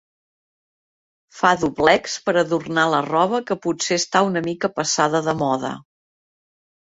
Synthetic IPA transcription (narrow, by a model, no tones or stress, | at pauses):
faðuβlɛkspəɾəðurnalərɔβ̞əkəputseəst̪aunəmikəpəsaðəðəmɔðə̰